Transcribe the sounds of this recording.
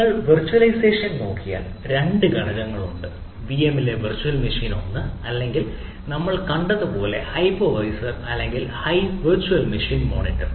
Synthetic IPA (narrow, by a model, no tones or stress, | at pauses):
ɐɭʋirt͡ɕːuɐlɐjse̞ːʂɐnno̞̰ːkːija̰ːl | ɾe̞ɳɖɨɡɐɽɐɣɐŋːɐɭuɳɖɨ | ʋiemile̞ʋirt͡ɕːuɐlmiʂiːno̞̰nːɨɐlːe̞ŋɡil | nɐmːɐɭkɐɳɖɐðɨpo̞ːle̞̰hɐjpoʋɐjsɐrɐlːe̞ŋɡilhɐjʋirt͡ɕuɐlmiʂiːnmo̞̰ːnitːɐr